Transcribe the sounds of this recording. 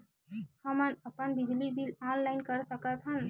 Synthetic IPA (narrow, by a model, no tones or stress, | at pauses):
həmənəpənbid͡ʒlibilanlaɪnkəɾsəkət̪ʰɦən